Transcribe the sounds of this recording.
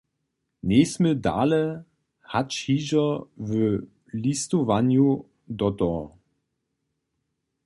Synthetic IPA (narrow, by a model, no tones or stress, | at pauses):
neːsməda̰ːlə | hat͡ʃhiːʒɐvə | listovanju | dɔtɔ